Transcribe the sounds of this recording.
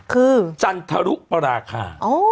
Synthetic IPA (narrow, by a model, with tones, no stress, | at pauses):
kʰɯː˧t͡ɕa˧nt̪ʰa˧ɾu˦˥ʔ̚pa˧ɾaː˧kʰa̰ː˧˩ʔoː˧˥˩